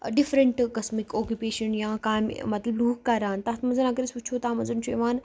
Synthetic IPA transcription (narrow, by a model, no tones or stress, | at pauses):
ɖifɾəɳʈkɐsmikoːkjupeːʃənjãːkaːmmɐt̪lɐbluːkkɐɾaːnt̪ɐɦt̪ʰmɐnzɐnɐɡəɾisut͡ʃʰoːt̪aːmɐzɐnt͡ʃʰueʋaːn